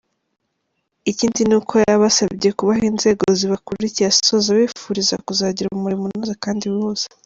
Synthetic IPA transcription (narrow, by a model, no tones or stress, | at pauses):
iciːndinukʰojaβasabɟe̞kuβahiːnze̞ːɡoziβakuɾicijassozaβifuɾiza̰kuzaːɟiɾumuɾimunozakaːndiwiuz̥ḁ